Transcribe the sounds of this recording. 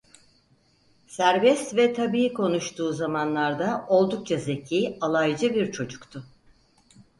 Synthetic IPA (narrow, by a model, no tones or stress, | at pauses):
sæɾbɛst̪vɛt̪ʰabiːikʰo̞nuʃt̪ʰuːzamanlˠaɾd̪ao̞lˠd̪uk̚t͡ʃʰaze̞cʰiːalˠajd͡ʒɯbiɾt͡ʃʰo̞d͡ʒukt̪ʰʊ